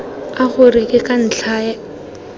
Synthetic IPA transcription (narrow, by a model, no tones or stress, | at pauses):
aχʊrɪkʼɪkʼan̩t͡ɬʰaːja